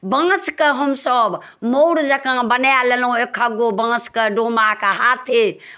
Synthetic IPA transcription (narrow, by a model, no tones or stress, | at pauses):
bə̃ŋskeɦəmsəb | moɽd͡ʒəkãbənjalelũekʰəɡobə̃ŋskeɖõmakeɦat̪ʰe